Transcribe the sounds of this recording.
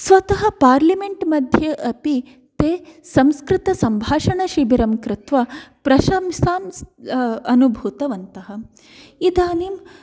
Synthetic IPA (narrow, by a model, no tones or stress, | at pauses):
sʋɐt̪ɐɦɐ̆paːɾlimeɳʈmɐd̪ʱjɐʔɐpi | t̪eːsɐmskɾɪt̪ɐsɐmbʱaːʂɐɳɐʃibiɾɐmkɾɪt̪ʋɐpɾɐʃaːmsaːmsɐnubʱut̪ɐʋɐnt̪ɐɦɐ̆ | id̪aːnim